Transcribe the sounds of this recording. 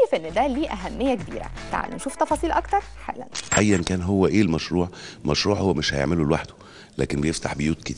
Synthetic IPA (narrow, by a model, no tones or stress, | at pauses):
efʔenːd̪æliːʔæɦæmːejːækebḭːɾæ̰t̪a̰ʕa̰lːḛmʃuːft̪ɑfɑːsˤiːlʔɑkt̪ɑɾˤħḛlːæ̰nʔæjːænkæːnɦowːæʔeːlmæʃɾuːʕmɑʃɾuːʕhowːæmeʃhæ̰jḛʕmelulwaħd̪o̥ | læ̰ːkenbejeft̪aħbejuːt̪ke̥t̪ː